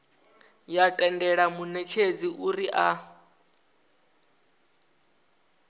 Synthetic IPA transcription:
jatʼɛndɛɺamunɛt͡ʃʰed͡ziʔuɾiʔa

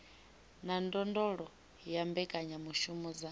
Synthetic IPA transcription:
nandɔndɔɺɔ | jambɛkʼaɲamuʃumɔd͡za

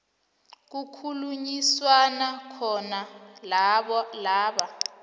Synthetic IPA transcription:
k̬ukʰuluɲiswanakʰɔna | laːɓa

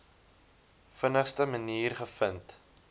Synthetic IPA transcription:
fənəχstəməniːrχəfənt

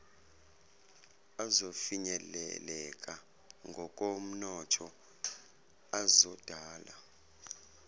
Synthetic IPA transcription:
azofiɲɛlɛ̰lɛk̬ʼa | ŋɡʱɔk̬ʼom̩nɔtʰɔ | azɔd̥ʱaːla̰

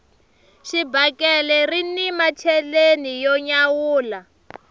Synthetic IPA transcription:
ʃibakʼɛlɛrinimat͡ʃʰɛlenijɔɲawuːla

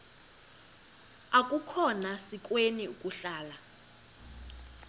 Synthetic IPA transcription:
akʼukʰɔnasik̬ʼweniukʼuɬaːla

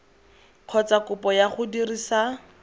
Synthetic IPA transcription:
q͡χʰɔt͡sakʊpɔjaχʊdirisa

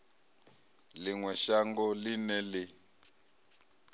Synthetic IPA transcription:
liŋwɛʃaŋɡɔlinɛli

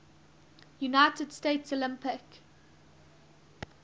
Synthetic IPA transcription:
junaɪtədsteɪtsolɪ̃mpɪk

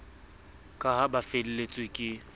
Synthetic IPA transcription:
kʼaɦabafel̩let͡sʼwekʼɪ

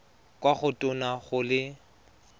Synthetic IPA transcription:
kʼwaχʊtʼʊnaɣʊlɪ

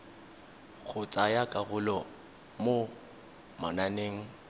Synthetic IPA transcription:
ɣʰʊt͡sʼajakʼaɣʊlɔ | mo | mananeːŋ̩

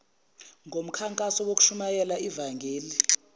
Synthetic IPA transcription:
ŋʱom̩kʰaŋkʼasɔwoku̥ʃumajɛlaivaŋɡʱeːli

